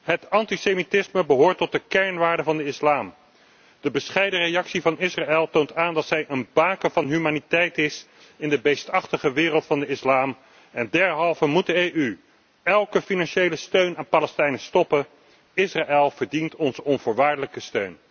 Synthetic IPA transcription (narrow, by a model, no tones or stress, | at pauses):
ɦətɑntisemitɪsməbəɦʊːɹtɔt̚dəkɛɹnʋaːɹdəvɑndəɪslaːm | d̥əbəsχɛjdərejɑksivɑnɪsraɛlˠtowntaːndɑtsɛjʔənbaːkəvɑnɦymaːnitɛjtɪs | ɪndəbejstɑχtəχəʋɪːrəlˠtfɑndəɪslaːm | ɛndɛɹɦɑlˠvəmut̚dəejʔy | ɛlˠkəfinɑnʃejləstøɥnaːnpaːlɛstɛjnəstɔpə | ɪsraʔɛlˠv̥əɹdintɔnzəɔnvʊːɹʋaːɹdələkəstøɥn